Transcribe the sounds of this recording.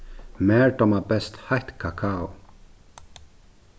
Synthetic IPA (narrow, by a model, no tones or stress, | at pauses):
mɛːɹʈɔmabɛst̪haht̪kʰakʰau